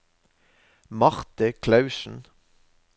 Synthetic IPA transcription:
mɑʁt̪əkʰlɑʉʃn̩

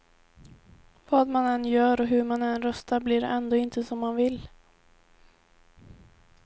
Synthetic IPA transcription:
vɑːd̪manɛnjœːɾɔɦɵɾmanɛnɾœst̪aɾblɪɾɛnd̪oːɪnt̪ʰəsɔmːanvɪl

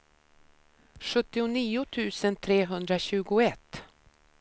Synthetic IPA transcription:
ɧɵt̪ːɪʊniːʊt̪ʰʉ̟ːsənt̪ʰɾeːɦɵnd̪ɾaɕʉ̟ːɡʊɛt̪ː

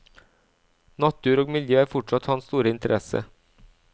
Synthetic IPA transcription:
nɑt̪ːʉːɾoːɡmɪljøːæːɾfɔʈʂɑt̪hɑːnst̪uːɾəɪnt̪əɾʔɛsə̰

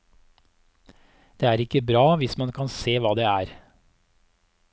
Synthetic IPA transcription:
d̪̥eːæːɾɪkəbɾɑːʋɪsmɑnkʰɑnseːʋɑːd̪eːæːɾ

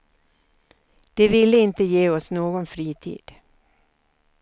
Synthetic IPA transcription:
d̪̥ɛvɪlːəɪnt̪əjeːɔsnoːɡɔnfɾiːt̪ʰḭːd̪̥

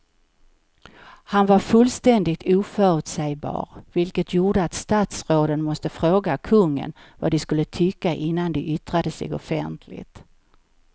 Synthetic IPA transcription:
hanvaɾfɵlːst̪ɛnd̪ɪɡ̚t̪ʰuːfœːɾʉt̪sɛjbɑ̰ːɾvɪlkət̪ʰjuːɖəat̪st̪aːt̪sɾoːd̪ənmɔst̪əfɾoːɡakʰɵŋːə̰nva̰d̪ɪskɵlːət̪ʰʏkːaʔɪnːand̪ɛʔʏt̪ɾad̪əsɛ̰ɡɔ̰fɛ̰nt̪ʰlɪ̰t̪

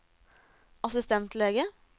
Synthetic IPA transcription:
ʔɑsɪst̪ɛnt̪leːɡə

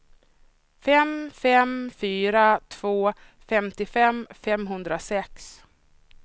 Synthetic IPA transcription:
fɛmfɛmfyːɾat̪ʰv̥oː | fɛmt̪ɪfɛmfɛmɦɵnd̪ɾasɛks

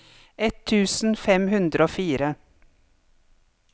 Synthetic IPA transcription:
ʔɛt̪ʰːʉːsn̩fɛmhʉnd̪ɾəoːfiːɾə

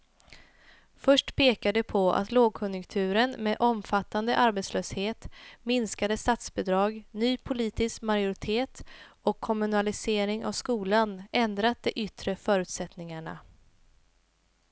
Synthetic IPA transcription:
fœʂʈpʰeːkad̪əpʰɔa̰t̪loːɡ̚kʰɵnjɵŋkt̪ʰʉ̟ːɾənmed̪ʔɔmfat̪ːand̪əʔaɾbɛt̪sløːsheːt̪mɪnskad̪əst̪at̪sbɛd̪ɾɑːɡnyːpʰʊliːt̪ɪskmaɾjʊɾɪt̪ʰeːt̪ɔkʰːɔmɵnalɪseːɾɪŋʔa̰vskuːlanɛnd̪ɾat̪̚d̪ɛʔʏt̪ɾəfœːɾʉ̟ːt̪sɛt̪nɪŋaɳa̰

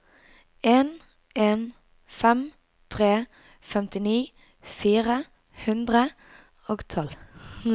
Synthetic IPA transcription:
ʔeːn | ʔeːn | fɛm | t̪ʰʁeː | fɛmt̪ɪniː | fiːʁə | hʉnd̪ʁə | oːɡt̪ʰɔl

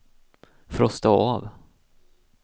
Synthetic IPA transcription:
fɾɔst̪aav

